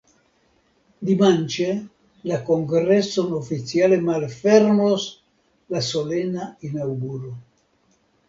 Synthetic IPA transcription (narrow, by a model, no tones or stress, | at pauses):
d̪imant͡ʃe | lakoŋɡɾesːonofisjalemalfɛrmos | lasolenainawɡuɾo